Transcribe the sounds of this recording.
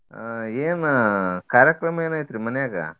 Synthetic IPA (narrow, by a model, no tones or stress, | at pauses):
eːnkaːɾjɐkɾɐmɐeːnaːjt̪ɾimɐnɐjaːɡa̰